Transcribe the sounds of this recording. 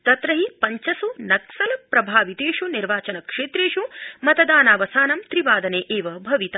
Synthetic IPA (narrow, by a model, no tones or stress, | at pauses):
t̪ɐt̪ɾɐɦipɐɲt͡ʃɐsunɐksɐlɐpɾɐbʱaːʋit̪eːʂuniɾʋaːt͡ʃɐnɐkʂeːt̪ɾeːʂumɐt̪ɐd̪aːnaːʋɐsaːnɐmt̪ɾiʋaːd̪ɐneːʔeːʋɐbʱɐʋit̪ɐ